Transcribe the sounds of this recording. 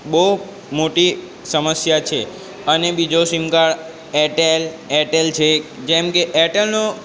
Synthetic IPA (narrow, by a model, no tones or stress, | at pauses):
bəɦu | moʈi | səməsjat͡ʃʰe | ənebid͡ʒosimkaɭ | ɛʈel | ɛʈelt͡ʃʰed͡ʒɛmkeʔɛʈelno